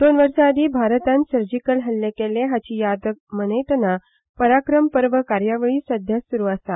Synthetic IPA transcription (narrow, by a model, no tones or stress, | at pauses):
d̪onʋəɾsaəd̪iːbʱaɾət̪ãnsəɾd͡ʑikəlɦəlːekeleɦat͡ɕiːjad̪ək̚m̤ənəjt̪əna | pəɾakɾəmpəɾʋəkaɾjaʋəɭiːsəd̪ʱjasuɾuːasa